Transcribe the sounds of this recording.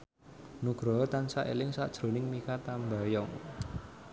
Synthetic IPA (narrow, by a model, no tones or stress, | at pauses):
nuɡ̥ɾɔɦɔt̪ansaʔḛlɪŋsad̥ʒ̥ɾo̤nɪŋmikat̪ambajɔŋ